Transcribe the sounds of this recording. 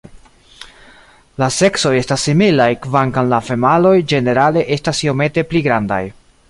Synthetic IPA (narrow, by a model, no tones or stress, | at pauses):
lase̞kso̞je̞stasːimilajkvaŋkanlafe̞malo̞jd͡ʒe̞ne̞ɾale̞ʔe̞stasio̞me̞te̞pliɡɾanda̰j